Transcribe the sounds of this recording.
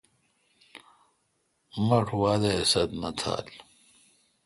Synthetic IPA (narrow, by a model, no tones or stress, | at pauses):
mɐʈʰwaːd̪ɐesɐt̪nɐt̪ʰa̰ːl